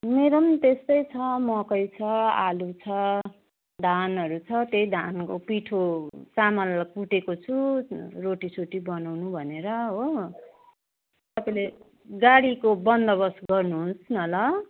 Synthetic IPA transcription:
meɾʌmt̪est̪ʌjt͡sʰʌmʌkʌjt͡sʰʌalut͡sʰʌ | d̪ʱanʌɾut͡sʰʌt̪ejd̪ʱankopiʈʰot͡samʌlkuʈekot͡sʰuroʈisʰoʈibʌnawnubʱʌneɾʌɦo | t̪ʌpaile | ɡaɽikobʌnd̪ʌβʌsɡʌrnuɦũsnʌlʌ

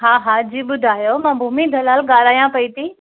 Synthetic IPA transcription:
ɦaːɦaːd͡ʑiːɓʊd̪ʱaːjomãːbʱuːmid̪ʱɐlaːlɠaːɽaːjãpɐit̪i

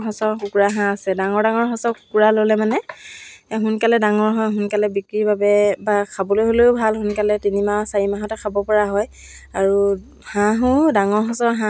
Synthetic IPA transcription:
ɦɔsɔɹkukuɹaɦãasɛdaŋɔɹdaŋɔɹɦɔsɔɹku̥kuɹalolɛmanɛ | ɦunkalɛdaŋɔɹɦɔjɦʊnkalɛbikɹibʱabɛbakʰabɔlojɦoloʊbʱalɦunkalɛtinimasaɹimaɦɔtɛkʰabɔpɔɹaɦɔj | aɹu | hãɦʊ̃daŋɔɹɦɔsɔɹɦã

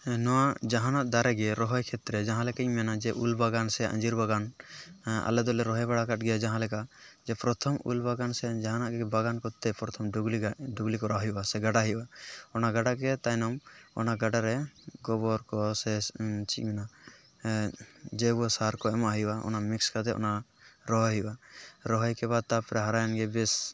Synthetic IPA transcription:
nɔwaʔd͡ʒaɦanaʔd̪aɾɛɡɛɾɔɦɔjkʰɛt̪ɾɛd͡ʒãɦãlɛkac̚mɛnad͡ʒɛʔulbaɡansɛjaʔã̰d͡ʒiɾbaɡan | a̰lɛd̪ɔlɛɾɔɦɛjbaɽakaʈ̚ɡɛjad͡ʒaɦãlɛkaʔd͡ʒɛpɾɔt̪ʰɔmṵlbaɡansɛjad͡ʒaɦanaʔɡɛbaɡankɔt̪ːɛpɾɔt̪ʰɔmɡliɖuɡlikɔɾaɦɔjubasɛɡaɖaɦɔjʔaɔnaɡaɖakɛt̪anɔmɔ̰naɡaɖaɾɛɡɔbɔɾkɔsɛt͡ʃimɛna | d͡ʒɛbuɔsaɾkɔɛmaaɦijbaɔ̰namikskad̪ɛɔ̰naɾɔɦɔɦibaɾɔɦɔjkɛbad̪̚t̪apɾɛɦaɾajanɡɛbɛs

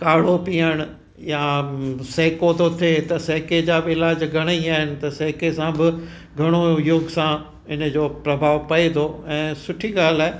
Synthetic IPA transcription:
kaːɽ̤opiːəɽ̃ʊ | jaːseːkot̪ot̪ʰet̪ɐseːked͡ʑaːbɪlaːd͡ʑɡʱɐɽ̃əiaːɦɪnɪ̆t̪ɐseːkesãbɪ | ɡʱɐɽ̃ojʊɡsã | ɪnə̆d͡ʑoːpɾɐbʱaːʋpɐed̪oɛ̃ːsʊʈʰiɡaːl̤aːe

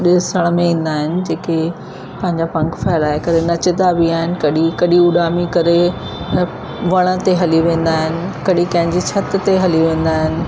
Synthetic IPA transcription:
ɗɪsəɽ̃mẽĩːn̆d̪aːɦɪnɪ̆d͡ʑeːke | pɐ̃ɦɪ̃ɲd͡ʑapɐ̃ŋkfɛːɪlaːekɐɾenɐt͡ɕɪd̪abiaːɦɪnɪ̆kɐɗikɐɗiʊɗaːmikɐɾe | ʋɐɽ̃ə̆t̪eɦɐliʋẽːn̆d̪aːɦɪnɪ̆kɐɗikɐ̃ɦɪ̃ɲd͡ʑit͡ɕʰɐt̪t̪eɦɐliʋẽːn̆d̪aːɦɪnɪ̆

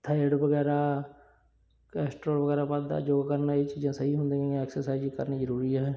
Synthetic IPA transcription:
t̪ʰaəɖbəɡɛːɾaː | kɛːsʈɾoːlʋəɡɛːɾaːbad̪d̪a̰ːd͡ʒoːɡakəɾnaːet͡ʃiːzãːsəɦiːɦʊnd̪ẽːẽɛːksəɾsaːiziːkəɾniːzəɾuːɾiːɦɛːɦɛː

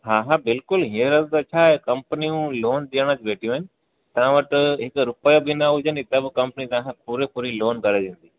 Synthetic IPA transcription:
ɦaːɦabɪlkʊlɦeːɾəzd̪ɐt͡ɕʰaːekɐ̃mpəniũloːnɗ̪iəɽ̃ət͡ɕʋeːʈʰijũɦɪnɪ̆ | t̪ɐʋãʋɐʈɦɪkɾʊpəjobʱɪnaɦʊd͡ʑənɪt̪ebɪkɐ̃mpnit̪ɐ̃puɾepʊɾiloːnkɐɾeʋẽːn̆d̪i

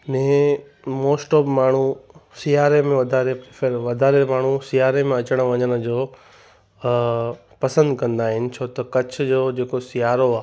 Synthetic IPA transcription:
nɛ̃ː | moːsʈoːbmaːɳ̤usijaːɾemẽʋɐd̪ʱaːɾepɾefʰeɾʋɐd̪ʱaːɾemaːɳ̤usijaːɾemẽɐt͡ɕəɽ̃əʋɐɲəñə̆d͡ʑoː | pɐsə̃nd̪kɐ̃nd̪aːɦɪnɪ̆t͡ɕʰoːt̪ɐkɐt͡ɕ̆ʰd͡ʑoːd͡ʑeːkosijaːɾoaː

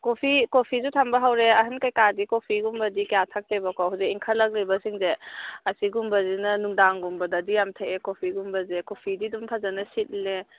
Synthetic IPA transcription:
kopʰikopʰizutʰambɐɦawɾeɐɦɐnkajkadikopʰiɡumbɐdikjatʰak̚tebakɔɦazekiŋkʰɐlːɐk̚libɐsiŋzeɐsiɡumbɐzinɐnuŋdaŋɡumbɐdɐdijamtʰaekopʰiɡumbɐzekopʰididumpʰazanɐsit̚le

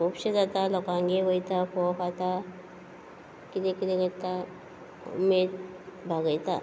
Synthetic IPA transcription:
kupɕed͡zat̪alɔkãŋɡeʋəjt̪afɔfat̪a | kit̪ekit̪eɡəɽt̪a | ṵmed̪ | bʱaɡəjt̪a̰

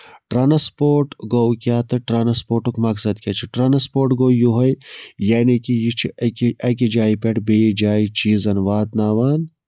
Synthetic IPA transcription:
ʈɾaːnɐspoːɾʈɡowkʲaːt̪ɨʈɾaːnɐspoːɾʈukmɐksɐd̪kʲɐt͡ʃʰiʈɾaːnɐspoːɾʈɡojuɦɐjjaːnikijit͡ʃʰiɐkiʔɐk̬id͡ʒaːipeʈbeːd͡ʒaːit͡ʃiːzɐnʋaːt̪naːʋaːn

